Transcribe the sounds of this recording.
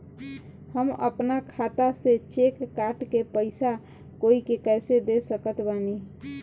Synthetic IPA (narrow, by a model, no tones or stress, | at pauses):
həmə̰pnakʰat̪aset͡ʃekːaʈkepəɪsa | koikekɛːsed̪esəkət̪bani